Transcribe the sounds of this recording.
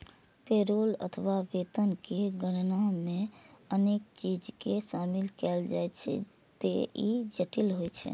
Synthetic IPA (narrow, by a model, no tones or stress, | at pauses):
peɾolə̰t̪ʰəʋabet̪ənkeɡəɾnameənek̚t͡ʃid͡ʒkesamilkɛld͡ʒajt͡ʃʰɛ̰ | t̪ḛid͡ʒəʈilɦojt͡ʃʰɛ̰